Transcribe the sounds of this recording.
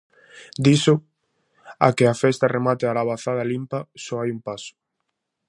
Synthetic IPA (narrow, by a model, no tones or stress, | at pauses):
d̪isʊ | a̰kɪafɛst̪ɐremat̪ɪalaβaθaðɐlimpɐsɔajumpasʊ̥